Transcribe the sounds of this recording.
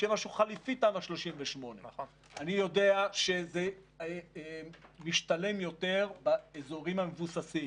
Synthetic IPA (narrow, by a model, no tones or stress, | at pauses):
jemaʃuχalifit̪amaʃlo̞ʃimveʃmo̞ne | anijo̞de̞aʃe̞ze | miʃt̪ale̞mjo̞t̪e̞ʁbaezo̞ʁimamevusasim